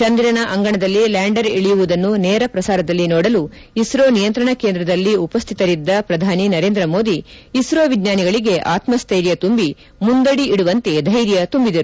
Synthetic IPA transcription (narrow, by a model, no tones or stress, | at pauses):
t͡ʃɐnd̪iɾɐnɐʔɐŋɡɐɳɐd̪ɐlːilaːɳɖɐɾiɭijuʋud̪ɐnːuneːɾɐpɾɐsaːɾɐd̪ɐlːinoːɽɐlu | isɾoːnijɐnt̪ɾɐɳɐke̞ːnd̪ɾɐd̪ɐlːiupɐst̪ʰit̪ɐɾid̪ːɐpɾɐd̪ʱaːninɐɾe̞ːnd̪ɾɐmo̞ːd̪iːsɾoːʋid̪ɲaːniɡɐɭiɡe̞ʔa̰ːt̪mɐst̪ʰejɾjɐt̪umbi | mund̪ɐɽiʔiɽuʋɐnt̪ed̪ʱɐjɾjɐt̪umbid̪ɐɾu